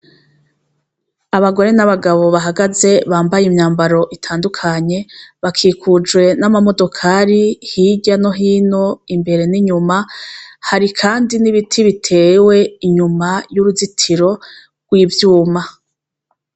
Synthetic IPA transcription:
aβaɡo̞ɾe̞naβaɡaβo̞βaɦaɡaze̞βaːmbajimɲaːmbaɾo̞ʔitʰaːndukʰaɲe̞βakʰiːkud͡ʒɡwe̞namamo̞do̞kʰaɾihiɟano̞ɦiːno̞imbe̞ɾe̞niɲumahaɾikʰaːndiniβitʰiβitʰe̞ːwe̞iɲumajuɾuzitʰiɾo̞ | ɡ̥wiːvjuːma

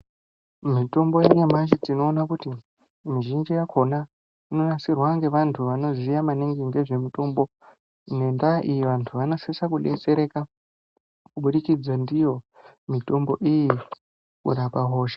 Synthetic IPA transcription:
mito̞mbo̞jeɲamaʃ̬id͡zino̞ːnakuti | miʒind͡ʒijakʰo̞na | ino̞nasirwaŋɡe̞ʋantʰuʋano̞zijamaniŋɡiŋɡe̞ʐe̞muto̞mbo̞ | ne̞ndaʔijiʋantʰuʋano̞sesakuɗet͡se̞ɾe̞ka | kuɓuɗikid͡zondijo̞ | mito̞mbo̞ʔiji | kṵɾapaɦo̞ːʃe̥

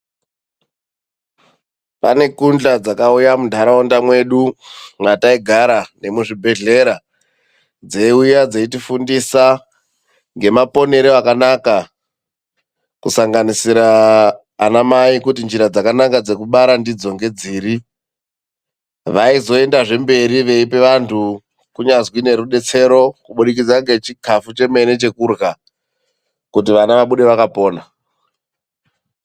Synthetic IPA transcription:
pane̞kund͡ɮad͡zakaujamundʱaɾaondamwe̞ɗumataiɡʱaɾane̞muʐibʱe̞ɮe̞ɾa | d͡ze̞ujad͡zeitifundisa | ŋɡe̞mapo̞ne̞ɾeakanaka | kusaŋɡanisiɾaː | namaikutind͡ʒiɾad͡zakanakad͡ze̞kuɓaɾandid͡zo̞ŋɡe̞d͡ziːɾi | ʋaizo̞e̞ndaʐe̞mbe̞ɾiʋe̞ipe̞ʋantʰu | kuɲazwine̞ɾuɗe̞t͡se̞ɾo̞kuɓuɗik̬id͡zaŋɡe̞t͡ʃikʰafut͡ʃe̞me̞ne̞t͡ʃe̞kurɣa | kutiʋanaʋaɓuɗe̞ʋakapo̞ːna

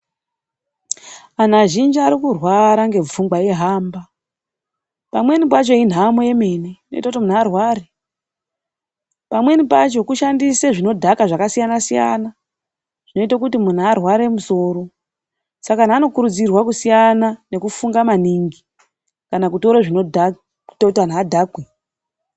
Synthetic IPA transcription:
anaʒind͡ʒiaɾikurwaɾaŋɡe̞b͡vumɡaje̞ɦaːmba | pamwe̞nip̬at͡ʃo̞in̤ɦamoje̞me̞neino̞̰ḭtakutimun̤aːrwaɾe | pamwe̞nipat͡ʃo̞kuʃandiseʐino̞dʱakaʐakasijanasija̰na | ʐ̥ino̞itak̬utimun̤aːrwaɾe̞muso̞ːɾo̞ | sakan̤aːno̞kuɾud͡zirwakusijanane̞kufuŋɡamaniŋɡi | kanakuto̞ɾoʐinodḁ | totan̤aːdʱaɡwe

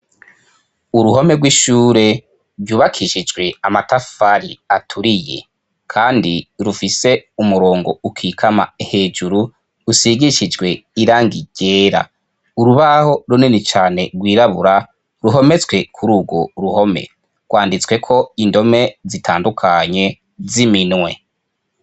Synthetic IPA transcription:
uɾuɦo̞me̞ɡwiʃuːɾe̞ | vjuːβakʰiʃid͡ʒɡwe̞amatafaɾiatʰuɾije̞̰ | kʰaːndiɾufise̞umuɾo̞ːŋɡo̞̰ukʰiːkʰama̰ehe̞ːd͡ʒuɾu | ɾusiɡiʃid͡ʒɡwe̞iɾaːŋɡiɟe̞ːɾa̰ | uɾuβaho̞ɾuninit͡ʃaːne̞ɡwiːɾaβuɾa | ɾuɦo̞me̞t͡sɡwe̞kʰuɾuɡo̞ɾuho̞mḛ | ɡ̥waːndit͡swe̞kʰo̞indo̞me̞zitʰaːndukʰaɲe̞ | ziminwe̞̰

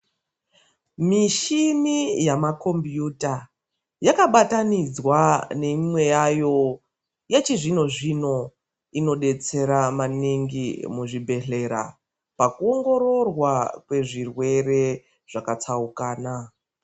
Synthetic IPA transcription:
miʃinijamako̞mbjuta | jakaɓatanid͡zwane̞imwe̞jajo̞ | jat͡ʃiʐino̞ʐino̞ | ino̞ɗe̞t͡se̞ɾamaniŋɡimuʐibʱe̞ɬe̞ɾa̰ | pakuo̞ŋɡo̞ɾo̞rwakwe̞ʐirwe̞re̞ | ʐ̥akat͡saukaːna

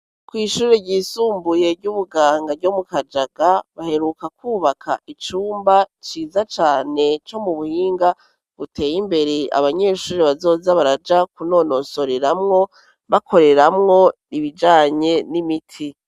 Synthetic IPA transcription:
kwiːʃuːɾeɟiːsuːmbuje̞ɾɟuβuɡaːŋɡavɟo̞mukad͡ʒaɡaβahe̞ɾukakuːβakʰa̰ʔit͡ʃuːmbat͡ʃiːzat͡ʃaːne̞t͡ʃo̞muβuhiːŋɡa | βute̞ːjimbe̞ɾe̞a̰βaɲe̞ːʃuːɾeβazo̞ːzaβaɾad͡ʒakuno̞no̞so̞ɾeɾamŋo̞ | βakʰo̞ɾe̞ɾamŋo̞niβid͡ʒaːɲe̞nimitʰi

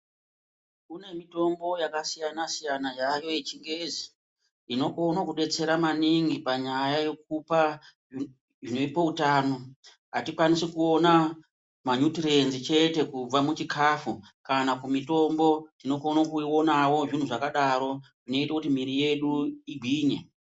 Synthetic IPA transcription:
kune̞mito̞mbo̞jakasijanasijanajajo̞jet͡ʃiŋɡe̞zi | ino̞konakuɗe̞t͡se̞ɾamaniŋɡipaɲajaje̞k̚upa | ʐino̞ipoutaːno̞ | ɦatikwanisekuo̞na | maɲutirenzit͡ʃe̞te̞kub͡vamut͡ʃikʰafu | kanakumito̞mbo̞tino̞konakuiwo̞nawo̞ʐin̤uʐakaɗaɾo̞ʐino̞itakutimiɾije̞ɗuiɡʱiːɲe

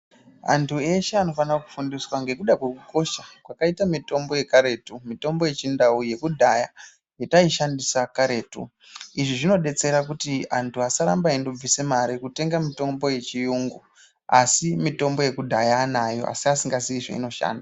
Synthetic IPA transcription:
a̰ntʰue̞ʃe̞ano̞fanraku̥fundiswaŋɡe̞kuɗakwekuko̞ʃakwakaitamito̞mbo̞je̞kaɾe̞ːtumito̞mbo̞je̞t͡ʃindauje̞kudʱaja | jetaiʃandisakaɾe̞ːtṵ | iʐiʐino̞ɗe̞t͡se̞ɾakutiantʰuasaɾa̰mbaindob͡visemaɾikute̞ŋɡamito̞mbo̞je̞t͡ʃijuːŋɡu | a̰simito̞mbo̞je̞kudʱajaːnajo̞̰ʔa̰siasiŋɡasiʐa̰ḭno̞ʃa̰ːnda

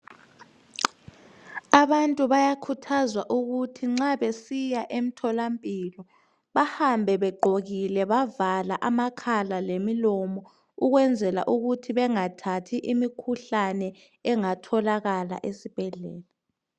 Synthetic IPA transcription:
aβantʼuβajakʰutʰazwaʔuɣutʰiŋ͡ǁaβesijaʔem̩tʰɔlampʼilɔ | βahambʱɛβɛɡ͡ǃʱoɣilɛβavalaʔamakʰalalemilɔmɔ | uɣwɛnd͡zʱɛla̰ʔuɣutʰiβɛŋatʰatʰiʔimikʰuɬanɛ | ɛŋatʰɔlaɣala̰ʔesib̥ʱɛɮɛ̰ːla

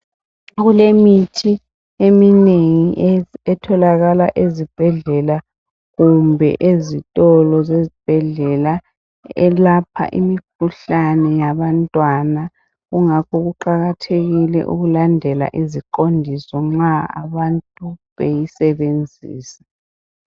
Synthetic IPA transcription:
ɣulemitʰi | emineŋiɛtʰɔlaɣalaʔezib̥ʱɛɮɛla | ɣumbʱɛ̰ʔezitʼɔlɔzezib̥ʱɛɮɛla | ɛlapʰa̰ʔḭmik̚ʰuɬanɛjaβantʼwana | ɣuŋakʰɔɣuǃaɣatʰeɣilɛ̰ʔṵɣulandʱɛla̰ʔizikondʱisɔŋ͡ǁaa̰βantʼuβejisɛβend͡zʱḭːsḁ

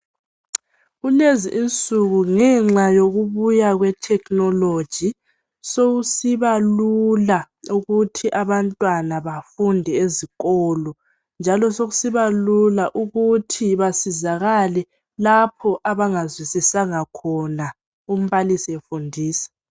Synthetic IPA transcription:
ɣuleziʔint͡sʼuɣuŋɛŋ͡ǁajoɣuβujaɣwɛtʰɛknɔlod̥ʒ̥ʱi | soɣusiβalula | uɣutʰiʔaβantʼwanaβafundʱɛeziɣɔːlɔ | nd͡ʒʱalɔsoɣusiβalulaʔuɣutʰiβasizaɣalɛ | lapʰɔʔaβaŋazwisisaŋakʰɔna | um̩βalisiefundʱiːsḁ

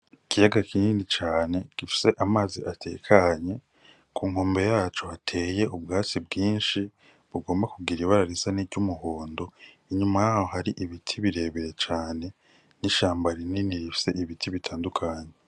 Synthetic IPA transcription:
ikijaɡakinindit͡ʃaːnekifi̥se̞ʔamaːziʔatʰe̞̰ːkʰaɲe̞ | kʰuːŋ̥ho̞ːmbe̞jaːt͡ʃo̞hatʰe̞ːje̞ubɡaːt͡sibɡiːnʃi | βuɡo̞ːmbakuɡiɾiβaɾaɾisaniɾɟumuɦoːndo̞ | iɲumajaːhoɦaɾiʔiβitʰiβiɾe̞ːβeɾet͡ʃaːne̞ | niʃaːmbaɾininiɾifi̥se̞ʔiβitʰiβitʰaːndukʰaːɲe̞

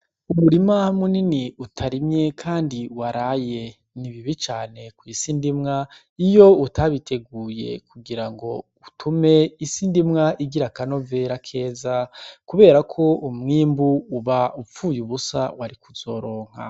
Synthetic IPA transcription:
uβuɾimamuniniutʰaɾimɲe̞kʰaːndiwaɾaje̞ | niβiβit͡ʃaːne̞kwuisindimŋa | ijo̞utʰaβitʰe̞ɡuːje̞̰kuɡiɾaŋɡo̞ | utʰume̞isindimŋaʔiɡiɾakano̞ve̞ɾakʰe̞ːzakuβe̞ːɾakʰo̞umŋiːmbuːβaup͡fuːjuβusa̰waɾikuz̥o̞ɾo̞ːŋ̥a̰

